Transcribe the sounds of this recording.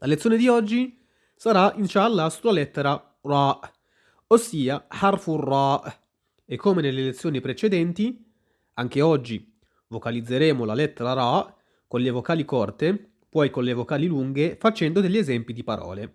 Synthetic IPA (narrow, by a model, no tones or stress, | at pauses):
lalet̪sjoːned̪iɔd͡ʒːi | saɾaʔint͡ʃalːasulːalɛt̪ːeɾa | ra | osːiːaħarfurːa | ekːoːmenelːelet̪sːjoːnipɾet͡ʃed̪ɛnt̪i | aŋk̟eɔd͡ʒːi | vokalid̪zːeɾeːmolalɛt̪ːeɾaɾa | konlevokaːlikɔrt̪e | pɔjkonlevokaːliluŋɡefat͡ʃɛnd̪od̪eʎːezɛmpid̪ipaɾɔ̰ːle